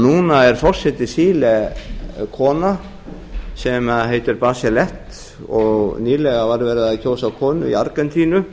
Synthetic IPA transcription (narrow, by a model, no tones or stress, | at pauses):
nuːnaɛɾ̥fɔr̥sɛt̪ːɪsiːlɛ | kʰɔːna | sɛmaðɦejt̪ɪɾpaːsjɛlɛht̪ | ɔɣniːlɛɣavaɾvɛːɾɪðaðcʰoːwsawkʰɔːnʏ̰ḭaɾkɛnt̪ʰiːnʏ